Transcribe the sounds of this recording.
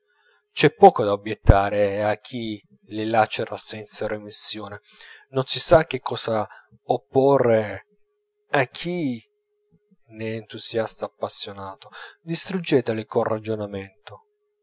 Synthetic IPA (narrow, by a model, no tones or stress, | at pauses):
t͡ʃɛpːɔːkod̪aobjɛt̪ːaːɾeak̟ʰːi | lɪlat͡ʃeɾasɛnt̪saɾemisːjoːne | nonsisak̟ːekːɔːsa | opːɔre | akʰːi | neːnt̪usjast̪aːpːasːjonaːt̪od̪ist̪ɾud͡ʒːɛːt̪elɪkonrad͡ʒonamɛnt̪o